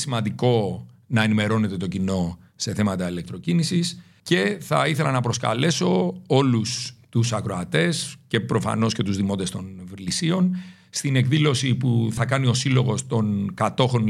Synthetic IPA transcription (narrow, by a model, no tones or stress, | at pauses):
simɐnd̪iko̞ | nɐe̞nime̞ɾo̞ne̞t̪e̞t̪o̞cino̞ | se̞θemɐt̪ɐile̞k̚t̪ɾo̞cinisis | ce̞θɐiθe̞lɐnɐpɾo̞skɐ̰le̞so̞o̞lust̪usɐkɾo̞ɐt̪e̞sce̞pɾo̞fɐ̰no̞sce̞t̪uzðimo̞t̪est̪o̞nvlisio̞n | st̪ine̞kðilo̞sipuθɐkɐnio̞silo̞ɣo̞st̪o̞nkɐt̪o̞xo̞n